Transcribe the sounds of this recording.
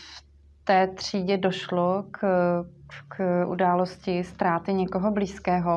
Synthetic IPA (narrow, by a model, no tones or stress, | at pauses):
f | t̪ɛːt̪r̝̥iːɟɛdoʃlok | kʔṵdaːloscɪst̪ɾaːt̪ɪɲɛkoɦobliːskɛːɦo